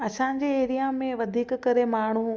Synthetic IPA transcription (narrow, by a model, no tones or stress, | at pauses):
ɐsãːɲd͡ʑeeːɾijamẽʋɐd̪ʱiːkkɐɾemaːɳ̤̃u